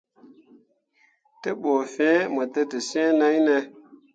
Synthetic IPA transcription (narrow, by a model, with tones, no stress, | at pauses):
te˦ɓoː˨fẽ˨˦mə˨te˦te˨si˦ẽ˦na˦jne˧